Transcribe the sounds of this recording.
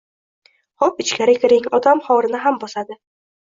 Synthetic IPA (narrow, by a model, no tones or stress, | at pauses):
hɒpɪt͡ʃkʲʰaɾɪkʲʰɪɾɪŋɒt̪ʰamχɒɾɪnɪɦambɒsad̪ɪ